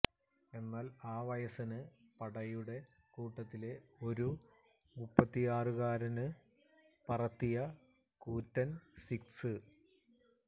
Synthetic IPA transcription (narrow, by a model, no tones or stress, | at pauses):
e̞nːaːlaːʋɐjɐsɐnɨ | pɐɽɐjuɽe̞ | kuːʈːɐt̪ːile̞o̞ɾu | mupːɐt̪ːijaːrɨɣaːɾɐnɨ | pɐrɐt̪ːijɐ | kuːtːɐnsiksɨ